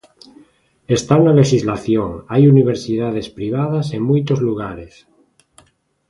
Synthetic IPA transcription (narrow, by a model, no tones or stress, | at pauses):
est̪awnaleʃizlaθjoŋajuniβ̞eɾsið̞að̞espɾiβ̞að̞aseŋmujt̪ozluɣ̞aɾes